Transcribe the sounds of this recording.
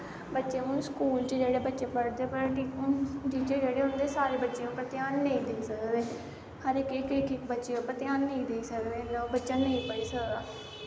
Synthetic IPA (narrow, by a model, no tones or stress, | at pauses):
bətːʃẽːʊnskuːlt͡ʃd͡ʒeːɽeːbətːʃeːpəɽd̪eːpəɾʈiːkd͡ʒiːt͡ʃeːd͡ʒeːɽeːɦʊnd̪eːsaːɾeːbətːʃeõːpɾət̪ɪjaːnːeĩːd̪eiːsəkd̪eː | həɾekekekʰɪkbətːʃeːõːpɾət̪ɪjaːnːəĩːd̪eiːsəkd̪eːnabətːʃaːnəĩːpəɽiːsəkd̪aː